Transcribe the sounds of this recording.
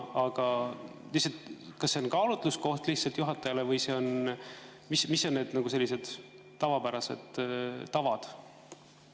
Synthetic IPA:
ɑɡ̥ɑ | lisɑlt̪kɑsːe̞o̞nkɑːlut̪lusko̞ht̪lihtsɑlt̪juɦɑt̪ːˑɑjɑlevɯjse̞o̞n | mismisːo̞nːed̪nɑɡ̥use̞lːise̞d̪̥ | t̪ːɑvɑpæɾɑse̞̰d̪̥ːɑvɑd̪̥

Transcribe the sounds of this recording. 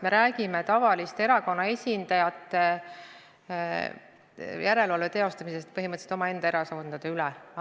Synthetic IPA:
me̞ɾæːɡime̞t̪ɑvɑlist̪e̞ɾɑko̞nːɑe̞sʲind̪̥ɑjɑt̪ːˑe | jʔæɾe̞lvɑlvet̪eo̞st̪ɑmise̞st̪̚pɤɦiməɤt̪se̥t̪oɑe̞nd̪̥ɑeɾɑsɑnd̪̥ɑd̪̥eylɛ

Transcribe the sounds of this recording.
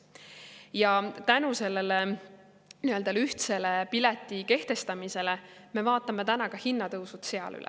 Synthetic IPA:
jɑt̪ænuse̞lːele | niø̞ld̪ɑyht̪se̞lepilet̪ːˑike̞ht̪e̞st̪ɑmise̞leme̞vɑːt̪ːˑɑme̞t̪ænɑkɑhinːɑt̪ɤwsut̪se̞ɑ̰ly̰lɛ̰

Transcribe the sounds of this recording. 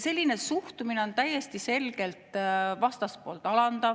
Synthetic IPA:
se̞lʲːinesuht̪umine̞o̞nt̪æjːe̞st̪ise̞lɡ̥e̞lt̪vɑst̪ɑspo̞̰ːlt̪ɑlɑnd̪ɑ

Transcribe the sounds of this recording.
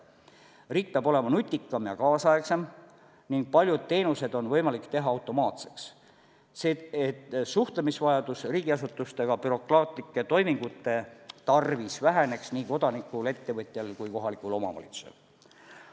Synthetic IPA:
riːk̚peɑb̥o̞le̞mɑnut̪ʲːˑikːˑɑmjɑkɑːsɑeksem | niŋɡ̥̚pɑlʲjud̪̥̚t̪e̞ːnuse̞d̪̥o̞nvɤjmɑlikt̪e̞ɦɑɑwt̪ˑo̞mɑːt̪se̞ks | seet̪ːsuht̪lemisvɑjɑd̪̥usriːɡ̥iɑsut̪ːˑust̪e̞ɡ̥ɑpyɾo̞krɑːt̪likːˑe̞t̪o̞jmiŋɡ̥ut̪ːe̞t̪ɑrvisvæɦene̞ksniːko̞d̪̥ɑnikːˑule̞t̪ːe̞vɤt̪ʲːˑjɑlkujko̞ɦɑlikˑulo̞mɑ̰vɑ̰lʲḭt̪su̥sḛl

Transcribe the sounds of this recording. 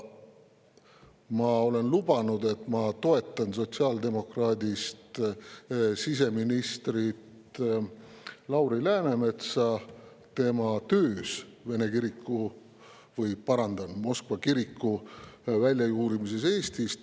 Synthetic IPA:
mɑo̞le̞nlub̥ɑnud̪e̞t̪ˑmɑt̪o̞e̞t̪ːˑɑnso̞t̪siɑːld̪e̞mo̞krɑːd̪ʲist̪ | sis̬e̞minist̪rit̪ | lɑwɾilæːne̞me̞t̪sɑ | t̪e̞mɑt̪øːsve̞ne̞kiɾikˑːu | vɤjpɑɾɑnd̪̥ɑnmo̞skvɑkiɾikːˑuvælʲjɑjuːɾimise̞se̞ːst̪ist̪

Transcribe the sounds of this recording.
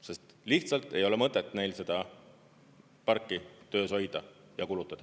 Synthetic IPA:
se̞st̪liht̪sɑlt̪ˑe̞jo̞lemɤt̪ːˑet̪ːˑne̞jlse̞d̪̥ɑ | pɑrkːˑit̪ø̞ːso̞jd̪̥ɑ | jɑkulut̪ːˑɑd̪ɑ

